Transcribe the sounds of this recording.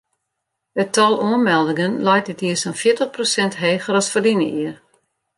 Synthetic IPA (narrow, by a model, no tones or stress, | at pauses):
ətʰɔlˠuənmɛlˠdɪŋənlɛjt̚dɪtiəsanfjɪətəχprosɛntɦeːɣəɾɔsfərdinə̰ʔiər